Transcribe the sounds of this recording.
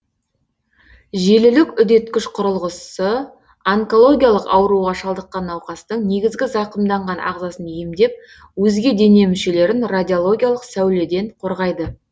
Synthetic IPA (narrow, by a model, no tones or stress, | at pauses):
ʒe̞lɪlɪkʲʏd̪e̞t̪kʲɪʃqʰʊɾəlˠʁəsə | aŋko̞lˠo̞ɡʲijalˠəqɑwəɾuʁɑʃɑlˠd̪əqːɑnːɑwqɑst̪əɴne̞ɡʲɪzɡʲɪzɑqəmd̪ɑɴʁɑnɑ̰ʁzɑsənjemd̪e̞p̚ | wɵzɡʲe̞d̪e̞ne̞mʏʃe̞le̞ɾɪnrad̪ʲio̞lˠo̞ɡʲijalˠəqsæwle̞d̪e̞ɴqʰo̞ɾʁɑjd̪ə